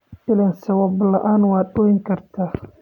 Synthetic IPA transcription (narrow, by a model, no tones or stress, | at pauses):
ɪlɛnsɐwɐblɐʔaːnwɑːd̪ɔːjɪŋkʰɐrt̪ʰaː